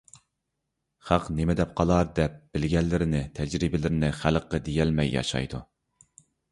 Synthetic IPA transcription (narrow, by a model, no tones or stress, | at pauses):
χæqnemɪd̪ɛp̚qʰɑlˠɑɾd̪ɛp̚b̥ɪlɡʲɛlːɪɾɪnɪt̪ʰɛd͡ʒɾibɪlɪɾɪnɪχælqːəd̪ejɛlmɛjːɑ̰ʃɑ̰jd̪ṵ